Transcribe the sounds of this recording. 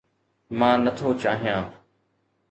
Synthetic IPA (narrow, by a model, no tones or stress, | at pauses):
mãːnət̪ʰoːt͡ʃaːɦijãː